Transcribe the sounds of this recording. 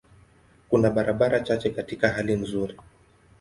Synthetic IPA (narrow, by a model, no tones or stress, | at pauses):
kunaɓaɾʔaɓaɾat͡ʃat͡ʃɛkatikaɦalin̩zuɾi